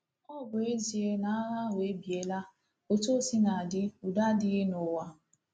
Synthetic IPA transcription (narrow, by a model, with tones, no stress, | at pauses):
ɔ˦˨bʊ˨e˦zi˨e˦na˦ɾa˦we˨˦bi˨e˨la˦ | o˨to˦˨si˦na˨dɪ˦u˨da˦dɪ˦ɣɪ˦nʊ˨wa˨